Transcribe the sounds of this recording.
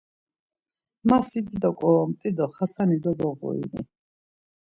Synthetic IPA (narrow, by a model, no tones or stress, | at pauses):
masid̪id̪ɔkʼɔmt̪ʼid̪ɔχasanid̪ɔbɔʁṵḭnḭ